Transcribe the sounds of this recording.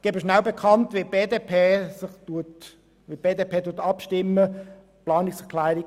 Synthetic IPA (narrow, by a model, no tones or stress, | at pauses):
ɡ̥eːbəʃnaʊbekʰɑntʋeb̥eːdeːpʰeːsɪχtut | ʋib̥eːdeːpʰeːtutɑpʃtɪmːə | plɑːnɪksɛʁkʰlæɪʁi